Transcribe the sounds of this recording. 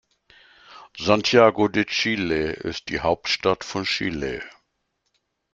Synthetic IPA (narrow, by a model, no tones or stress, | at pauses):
zantʰjaːɡodet͡ʃiːleɪ̰st̚d̥ḭːhaʊp̚tʃtatfɔnʃḭːlḛ